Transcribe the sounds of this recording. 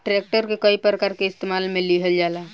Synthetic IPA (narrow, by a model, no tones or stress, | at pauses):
ʈɾek̚ʈəɾkekəipɾəkaːɾkeɪst̪emaːlmẽliɦəld͡ʒaːla